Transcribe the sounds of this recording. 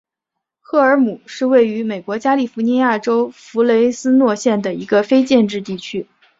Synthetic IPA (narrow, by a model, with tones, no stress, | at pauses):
xɤ˥˩ə˞˧˥mu˨˩ʂɻ̩˥˧we˥˩ɪy˧˥me˨˩ɪkwɔ˧˥t͡ɕja˥li˥˩fu˧˥ni˧˥ja˥˩ʈ͡ʂo˥ʊfu˧˥le˧˥ɪsɹ̩˥nwɔ˥˧ɕjɛ˥˩nd̪ə˩i˧˥ɡə˧fe˥ɪt͡ɕjɛ˥˧nʈ͡ʂɻ̩˥˧t̪i˥˩t͡ɕʰy˥